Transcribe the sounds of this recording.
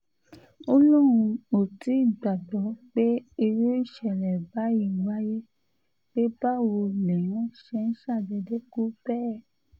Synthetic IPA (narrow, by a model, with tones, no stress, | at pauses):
o˧lo˦ɾũ˧o˨ti˨˦˨ɡ͡ba˨dɔ˨˦k͡pe˦i˧ɾu˦i˦˨ʃɛ˨ɾɛ˨ba˨˦i˦˨wa˦je˦ | k͡pe˦ba˦wo˧le˨wɔ̃˦ʃɛ˧˦n̩˦ʃa˦˨dɛ˧de˦ku˦bɛ˦